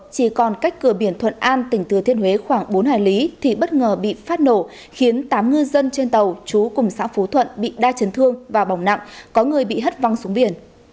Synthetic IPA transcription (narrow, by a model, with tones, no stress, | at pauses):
t͡ɕi˧˩kɔ˨˩nka˦˥jk̟kːɨ˧˩əɓi˧˩ənt̪ʰwə̰˧˨nʔaː˧nt̪ï˧˩ŋ̟t̪ɨ˨˩ət̪ʰi˧ənwe˨˦xwaː˧˩ŋɓo˨˦nhaː˧˩jli˨˦t̪ʰi˨˩ɓə˦˥t̚ŋəː˨˩ɓḭ˧˨faː˦˥t̚no˧˩ | xi˨˦ənt̪aː˨˦mŋɨ˧zə˧nt͡ɕe˧nt̪ə˨˩wt͡ɕu˨˦kʊ˨˩ŋ͡msa̰ː˧˥fu˨˦t̪ʰwə̰˧˨nɓḭ˧˨ɗaː˧t͡ɕə˨˦nt̪ʰɨ˧əŋvaː˨˩ɓa˧˩wŋ͡mna̰˧˨ŋkɔ˨˦ŋɨ˨˩əjɓḭ˧˨ɦə˦˥t̚va˧wŋsu˨˦ŋ͡mɓi˧˩ən